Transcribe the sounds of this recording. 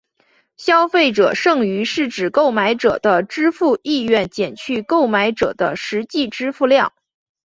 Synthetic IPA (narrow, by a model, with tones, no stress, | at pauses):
ɕjɑ˥ʊfe˥˩ɪʈ͡ʂɤ̰˨˩ʂɤ˥˩ŋy˧˥ʂɻ̩˥˩ʈ͡ʂɻ̩˨˩ko˥˩ʊma˧˥ɪʈ͡ʂɤ̰˨˩d̪ə˦ʈ͡ʂɻ̩˥fu˥˧i˥˧ɥɛ˥˩nt͡ɕjɛ˨˩nt͡ɕʰy˥˧ko˥˩ʊma˧˥ɪʈ͡ʂɤ̰˨˩d̪ə˦ʂɻ̩˧˥t͡ɕi˥˩ʈ͡ʂɻ̩˥fu˥˧ljɑ˥˩ŋ